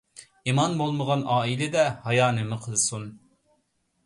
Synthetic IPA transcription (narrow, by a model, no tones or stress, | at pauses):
imɑnbolˠməʁɑnɑːilɪd̪ɛhɑjɑːnɪmɪqʰəlˠsun